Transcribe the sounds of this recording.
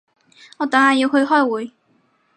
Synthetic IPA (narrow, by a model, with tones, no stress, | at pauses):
ŋɔː˨˧t̪aː˨˥haː˨˧˥jiː˧whɵ˧ɥɦɔː˥˩jwuː˨˥j